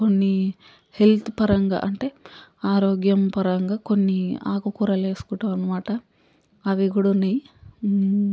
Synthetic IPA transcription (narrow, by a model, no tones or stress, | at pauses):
konːi | he̞lt̪ʰupɐɾɐŋɡa̰ʔɐɳʈe̞ːaːɾoːɡjɐmpɐɾɐŋɡaːkonːia̰ːkukuɾɐle̞ːskuːʈɐɐnːɐmaːʈɐ | ɐʋiɡuɽuunːɐj